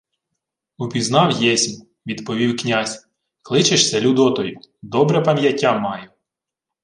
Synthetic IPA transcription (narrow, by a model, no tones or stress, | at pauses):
ʊpʲiznɑwjɛsʲim | ʋʲid̪pɔʋʲiwknʲasʲ | klˠɪt͡ʃeʃsʲɐlʲud̪ɔt̪ɔjʊd̪ɔbɾɛpɐmjɐtʲːamɑjʊ